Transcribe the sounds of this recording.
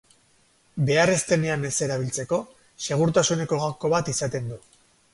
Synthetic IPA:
be̞are̞st̪e̞ne̞ane̞se̞ɾaβ̞ilt͡se̞ko̞ | se̞ɣ̞uɾt̪asune̞ko̞ɣako̞βat̪isat̪e̞nd̪u

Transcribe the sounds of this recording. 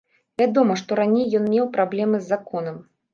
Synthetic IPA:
vʲad̪ɔmɐʂt̪ɔɾanʲejːɔnmʲewpɾablʲɛmɨzːakɔn̪ɐm

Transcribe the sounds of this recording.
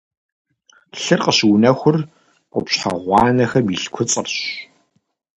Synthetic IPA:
ɬɨrqəɕwnɐxʷʊr | qʷʊpɕħa̰ʁʷɑːnɐxɐmiɬkʷʰʊt͡sʼərɕ

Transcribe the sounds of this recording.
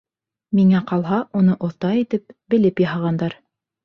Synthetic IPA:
miŋæqɑlˠɦɑʔunɤʔŏθt̪ɑit̪ɘp̚bɘ̆lɘpjɑɦɑʁɑnd̪ɑɾ

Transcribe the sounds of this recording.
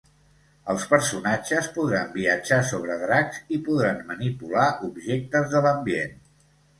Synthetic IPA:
əlˠspəɾsunad͡ʒəspuðɾambiəd͡ʒasoβɾəðɾakzipuðɾanmənipulaʔubʒek̚t̪əzðələmbien

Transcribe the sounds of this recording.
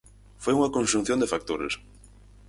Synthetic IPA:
fojuŋɐkõnʃun̟θjõnd̪efak̚t̪oɾḛs

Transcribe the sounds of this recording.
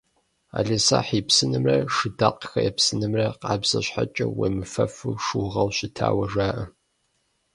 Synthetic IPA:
a̰ːɮeːsa̰ːħiːpsɨnɨmrɐʂɨdaqxɐjɛpsɨnɨmrɐqɑːbz̥ɐɕħat͡ʃʼɐwḛmɨfɐfɨʂɨʁɐwɕɪtʰaːwɐʒaːʔɐ

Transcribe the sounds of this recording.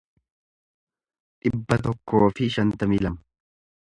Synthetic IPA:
ᶑɪbːɐt̪ɔkːoːfɪʃɐnt̪ɐmilɐmʊ

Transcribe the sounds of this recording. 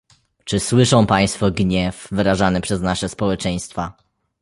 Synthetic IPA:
t͡ʂɘswɘʂɔ̃w̃paj̃st̪fɔɡɲɛfvɘɾaʐanɘpʂɛznaʂɛspɔwɛt͡ʂɛj̃st̪fa

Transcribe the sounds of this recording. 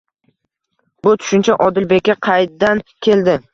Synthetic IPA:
bʊt̪ʰʊ̥ʃɪnt͡ʃʰaʔɒd̪ɪlbe̞kʲaqʰɑjd̪ːankʲʰe̞ld̪ɪ

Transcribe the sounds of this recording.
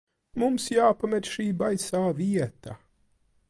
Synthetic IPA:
mumsjaːpamɛt̪ʲʃiːbajsaːviɛt̪ɐ

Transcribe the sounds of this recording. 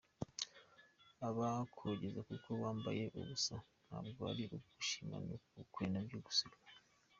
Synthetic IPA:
aβakʰoɟezakuko̞waːmba̰je̞ʔṵβusa | n̥ha̰ːbɡoa̰ɾiʔuɡuʃima̰nok̚ukwenabɟuɡu̥siɾɡa

